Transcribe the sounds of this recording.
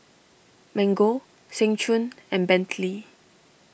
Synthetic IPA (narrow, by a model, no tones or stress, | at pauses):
mɛ̃ŋɡo | sɛ̃ŋt͡ʃʰũnɛ̃nbɛ̃ntʰli